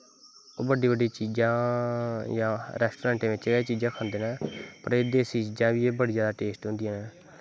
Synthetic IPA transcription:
oːbəɖiːbəɖĩːt͡ʃiːd͡ʒãː | jãːɾɛːsʈoːɾɛ̃ːɳʈẽːʋɪt͡ʃeːt͡ʃiːd͡ʒãːkʰə̃nd̪eːnãːpəɾeːd̪eːsiːd͡ʒãːʋiːeːbəɽiːzjaːd̪aːʈeːsʈɦʊ̃nd̪iːãːnɛː

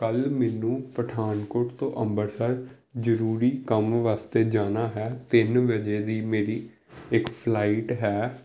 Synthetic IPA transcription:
kəlmɛːnũːpəʈʰaːnkoːʈt̪õ̰ːʔəmbəɾsəɾ | d͡ʒəɾuːɾiːkəmʋaːst̪eːd͡ʒaːnaːɦɛːt̪ɪnʋəd͡ʒeːd̪iːmeːɾiː | ɪkpʰlaːiʈɦɛː

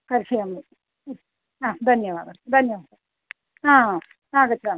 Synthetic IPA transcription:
kɐɾsijɐmi | aːd̪ʱɐnjɐʋaːd̪ɐd̪ʱɐnjɐʋaːd̪ɐ | aː | saːɡɐt͡ʃːa

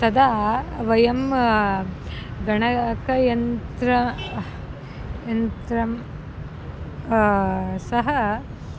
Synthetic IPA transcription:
sɐd̪aːʋɐjɐm | ɡɐɳɐkɐjɐnt̪ɾɐ | jɐnt̪ɾɐm | sɐɦɐ

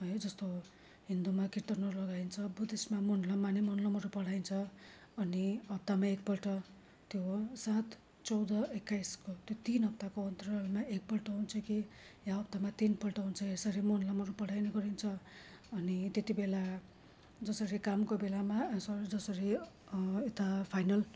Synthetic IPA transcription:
ɦʌjd͡zʌst̪o | ɦind̪umakirt̪ʌnʌɾulʌɡajnt͡sʰʌbud̪esmamonlʌmanimʌnlʌmʌɾupʌɽ̤ajnt͡sʰʌ | ʌniʌp̚t̪amaek̚pʌlʈʌ | t̪josat̪ | t͡sʌwd̪ʌekːajskot̪jot̪inɦʌp̚t̪akoʌnt̪ʌrʌlmaek̚pʌlʈʌɦunt͡sʰʌkijaʌp̚t̪amat̪inpʌlʈʌɦunt͡sʰʌesʌɾimʌnlʌmʌɾupʌɽ̤ajnʌɡʌɾint͡sʰʌʌnit̪jet̪ibela | d͡zʌsʌɾikamkobelamasʌɾd͡zʌsʌɾi | et̪apʰajnʌl

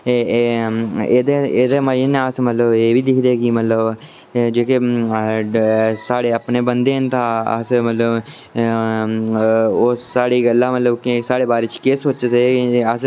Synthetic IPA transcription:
ed̪eeːd̪emaəneaːsmət̪ləbeːbʱid̪ɪkʰd̪eːɡimət̪ləb | d͡ʒeːke | saːɽeəpneːbə̃nd̪eːnt̪ʰaə̰smət̪ləb | osaːɽiɡəlːãmət̪ləbkːsaːɽebaːɾet͡ʃkeːsot͡ʃet̪eas

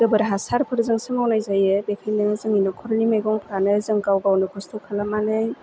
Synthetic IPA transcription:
d̥ɯbɯɾɦasaɾpʰɯɾzɯŋsɯmawnajzajebekʰajnɯzɯŋinɔkʰɔɾnimajɡɔŋpʰɾanɯzɯŋkawɡawnɯkʰɔstʰɔkʰalamanɯj

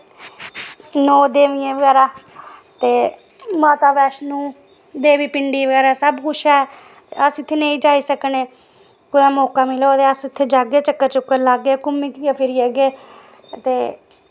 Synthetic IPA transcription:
noːd̪eːʋijẽːʋəɡɛːɾaːt̪eː | maːt̪aːbɛːʃnũː | d̪eːʋiːpɪɳɖiːʋəɡɛːɾaːsəbkʊʃʰɛː | t̪eəsɪt̪ʰːeːnẽĩːd͡ʒaːiːsəkneː | kʊd̪aːmoːkaːmɪloːt̪eːəsɪt̪ʰːeːd͡ʒaːɡeːt͡ʃəkːəɾt͡ʃʊkːəɾlaːɡeːkʊmːiːkːaːpʰɪɾiːəɡeː | t̪eː

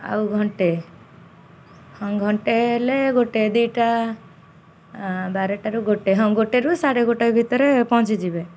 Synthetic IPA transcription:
a̰wɡʱɔɳʈe | hɔŋɡʱɔɳʈeleɡoʈed̪ujʈa | baɾeʈaɾuɡoʈeɦɔŋɡoʈeɾusaɽeɡoʈebʱit̪ɔɾepɔ̃t͡ʃid͡ʒibe

